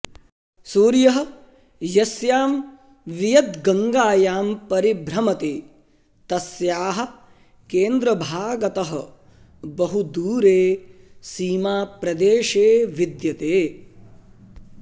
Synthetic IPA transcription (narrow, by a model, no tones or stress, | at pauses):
suːɾjɐɦɐ̆ | jɐsjaːm | ʋijɐd̪ɡɐŋɡaːjaːmpɐɾibʱɾɐmɐt̪eː | t̪ɐsjaːɦɐ̆ | keːnd̪ɾɐbʱaːɡɐt̪ɐɦɐ | bɐɦud̪uːɾeːsiːmaːpɾɐd̪eːʃeːʋid̪jɐt̪eː